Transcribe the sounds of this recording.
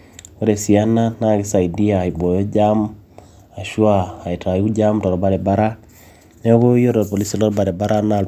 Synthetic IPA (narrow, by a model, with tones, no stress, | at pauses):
o˦ɾe˨si˨a˦na˦na˦˨ɡɪ˦sa˨i˨di˦a˨i˨bo˨jo˦d͡ʒa˦m | a˨ʃwaː˦˨i˨ta˨˦u˦d͡ʒa˦mtɔ˨ɾɔ˨ba˨ɾe˨ba˦ɾa˦ | ne˦βo˦jo˦ɾɔ˨po˨li˦sɔ˦lɔ˦ɾba˨ɾe˨ba˦ɾa˦na˨